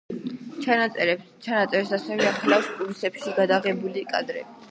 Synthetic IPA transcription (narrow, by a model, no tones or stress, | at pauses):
t͡ʃʰanat̪sʼɛɾ | t͡ʃʰanat̪sʼɛɾpsasɛvɛaχʰlafspʼulisɛpʃiɡad̪aʁɛbulikʼa̰d̪ɾɛ̰bi